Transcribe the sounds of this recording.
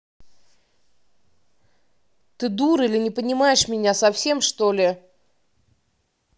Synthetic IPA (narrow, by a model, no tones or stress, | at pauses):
t̪ɨd̪uɾilʲɪnʲɪpənʲɪmajɪʂmʲɪnʲasɐfsʲe̞mʂt̪olʲɪ